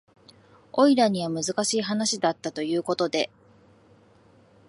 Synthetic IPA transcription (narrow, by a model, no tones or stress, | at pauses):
o̞iɾaɲ̟iβ̞amɯ̟zɨkaɕiːɦanaɕid̪at̪ːat̪o̞jɯ̟ːko̞t̪o̞d̪e̞̰